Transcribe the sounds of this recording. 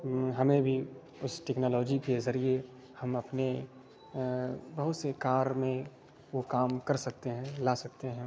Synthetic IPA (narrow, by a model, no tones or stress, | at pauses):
ɦɐmẽbʱi | ʊsʈɛːknoːlɔːd͡ʒikezɐɾie | hɐmɐpne | bɐɦʊt̪sekaːɾmẽ | ʋokaːmkɐɾsɐk̚t̪eɦɛ̃laːsɐk̚t̪eɦɛ̃ː